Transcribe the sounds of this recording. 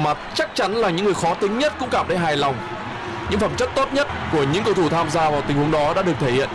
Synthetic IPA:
ma˨˩t̚t͡ɕa˦˥k̚t͡ɕa˨˦nlaː˨˩ɲɨ̰˧˥ŋɨ˨˩əjxɔ˨˦t̪ï˨˦ŋ̟ɲə˦˥t̚kʊ̰˧˥ŋ͡mkaː˧˩mɗə˨˦ɦaː˨˩jlɔ˨˩wŋ͡m | ɲɨ̰˧˥ŋfə˧˩mt͡ɕə˦˥t̚t̪o˦˥t̚ɲə˦˥t̚ku˧˩əɲɨ̰˧˥ŋkə˧wt̪ʰu˧˩t̪ʰaː˧mzaː˧vaː˨˩wt̪ï˨˩ŋ̟hu˨˦əŋɗɔ˨˦ɗa̰ː˧˥ɗɨ˨˩ək̚t̪ʰe˧˩hḭ˧˨ən

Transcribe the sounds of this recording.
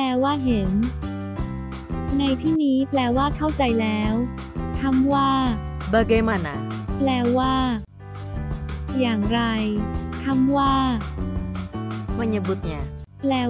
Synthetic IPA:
plɛː˧waː˥˩ɦe˩˦n | na˧jt̪ʰiː˥˩niː˦˥plɛː˧waː˥˩kʰa˥˩wt͡ɕa˧jlɛː˦˥w | t̪ʰa˥˩mwaː˥˩bɤː˧ɡe˧˥ma˧˩na̰˧˩plɛː˧waː˥˩ | jaː˨˩ŋɾa˧jt̪ʰa˥˩˨mwaː˥˩ | ma˧˩nja˧bɯ˧˦˥k̚ɲa˧˩plɛː˧

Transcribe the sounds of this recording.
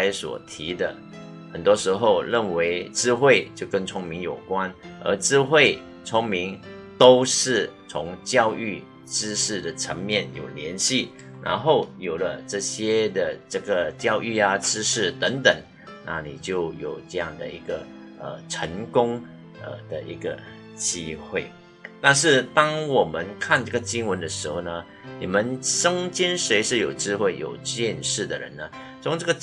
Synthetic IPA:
a˥ɪswɔ̰˨˩t̪ʰi˧˥d̪ə˧ | xə˨˩nt̪wɔ˥ʂɻ̩˧˥xo˥˧ʊɻə˥˩nwe˧˥ɪʈ͡ʂɻ̩˥xwe˥˧ɪt͡ɕjo˥˧˩kə˥˧ŋt͡sʰʊ˥ŋmi˧˥ŋjo˨˩ʊkwa˥nə̰˞˧˥ʈ͡ʂɻ̩˥xwe˥˩ɪ | t͡sʰʊ˥ŋmi˧˥ŋ | t̪o˥ʊʂɻ̩˥˩t͡sʰʊ˧˥ŋt͡ɕjɑ˥˧ʊy˥˩ | ʈ͡ʂɻ̩˥ʂɻ̩˥˩d̪ə˩ʈ͡ʂʰə˧˥ŋmjɛ˥˩njo̰˨˩ʊljɛ˧˥nɕi˥˩ | ɻa̰˧˥nxo˥˩ʊjo˨˩ʊlə˦ʈ͡ʂɤ˥˩ɕjɛ˥d̪ə˨ʈ͡ʂɤ˥˩ɡə˩t͡ɕjɑ˥˧ʊʔy˥˩a˨˩ʈ͡ʂɻ̩˥ʂɻ̩˥˩t̪ə˧˥ŋt̪ə˨˩˦ŋ | na̰˥˩nḭ˨˩t͡ɕjo˥˩ʊjo˨˩ʊʈ͡ʂɤ˥˧jɑ˥˩ŋd̪ə̰˨˩i˧˥ɡə˧ | ə̰˨˩ʈ͡ʂʰə˧˥ŋkʊ˥ŋ | ə̰˧d̪̥ə˨˩ʔḭ˧˥ɡə̰˧ | t͡ɕi˥xwe˥˩ɪ | t̪a˥˧nʂ̬ɻ̩˥˩t̪ɑ˥ŋwɔ˨˩mə˧˦nkʰa˥˧nʈ͡ʂɤ˥˩ɡə˨˩t͡ɕi˥ŋwə˧˥nd̪ə˧ʂɻ̩˧˥xo˥˧ʊnə˧ | ni˨˩mə˧˦nʂə˥ŋt͡ɕi˥nʂwe˧˥ɪʂɻ̩˥˩jo˨˩ʊʈ͡ʂɻ̩˥xwe˥˩ɪjo˨˩ʊɕjɛ˥˧nʂɻ̩˥˩d̪ə˩ɻə̰˧˥nə˧ | t͡sʰʊ˧˥ŋʈ͡ʂɤ˥˩ɡə˨˩

